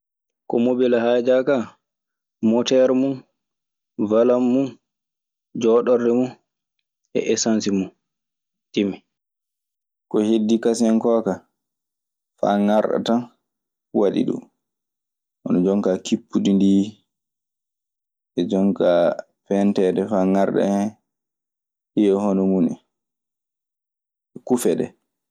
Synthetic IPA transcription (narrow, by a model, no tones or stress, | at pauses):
kɔmobɛlahaːd͡ʒaka | mɔtɛɾɛmun | valamːun | d͡ʒɔːɗɔɾdɛmun | ɛ̰ʔɛsansimun | timi | kɔhedːikasɛŋkɔːka | fa̰ŋaɾɗa̰tan | waɗḭɗṵm | ʔɔnɔd͡ʒɔŋkakipːudindiː | ʔɛd͡ʒɔŋka | fɛntɛdɛfaŋaɾɗɛ̰ɛ | hijɔhɔnɔmuni | ɛkufɛɗɛ̰